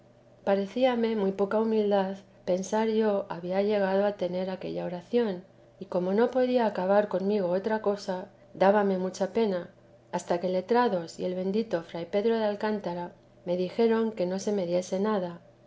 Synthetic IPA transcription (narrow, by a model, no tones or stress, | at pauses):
paɾe̞θiame̞mujpo̞kaumild̪aθ | pe̞nsaɾʝo̞ʔaβiaʝe̞ɣ̞aðo̞at̪e̞ne̞ɾake̞̰ʎao̞ɾaθjo̞n | iko̞mo̞no̞po̞ðiaːkaβ̞aɾko̞nmiɣ̞o̞ot̪ɾako̞sa | d̪aβame̞mut͡ʃape̞na | ast̪ake̞le̞t̪ɾaðo̞sje̞lβe̞nd̪it̪o̞fɾajpe̞ðɾo̞ðealkant̪aɾa | me̞ðixe̞ɾo̞ŋke̞no̞se̞me̞ðje̞se̞naða